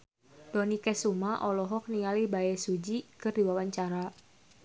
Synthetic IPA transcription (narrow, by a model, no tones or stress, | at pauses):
dɔnikɛsumaʔɔlɔɦɔk̚niŋalihbaɛsud͡ʒikɨrdiwawaɲt͡ʃaɾa